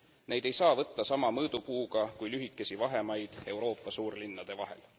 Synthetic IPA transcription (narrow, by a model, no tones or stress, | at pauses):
ne̞jd̪̥e̞jsɑːvɤt̪ːɑsɑmɑmɤːd̪̥upuːɡ̥ɑkujlyɦikːˑe̞sivɑɦe̞mɑjd̪̥e̞wɾo̞ːpːˑɑsuːrlinːɑd̪̥e̞vɑɦe̞̰l